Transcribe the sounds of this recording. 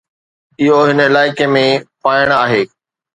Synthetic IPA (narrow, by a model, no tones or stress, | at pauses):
ɪɦoɦɪnəɪlaːɪkemẽpaːɪɽ̃aːɦeː